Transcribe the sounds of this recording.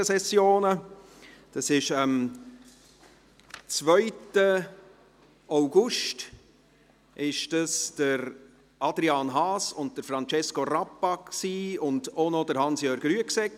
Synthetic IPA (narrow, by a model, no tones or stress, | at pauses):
əsɛsjoːnə | d̥ɑsɪʃəm | t͡svœʏtə | aʊɡ̥ʊʃt | ʔɪʃdəsd̥əɾ | ɑdɾiɑːnɦɑːsʊnt̚təɾfɾɑnt͡ʃɛskorɑpːɑksiːʊndonodəɾhɑnsjœːɾɡ̥ɾyəksɛk